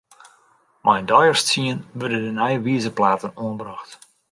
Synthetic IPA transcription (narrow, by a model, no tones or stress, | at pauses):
mʔɛjndɔjərst͡siənʋørdədənɛjʋiəzəplaːtənoənbɾɑxt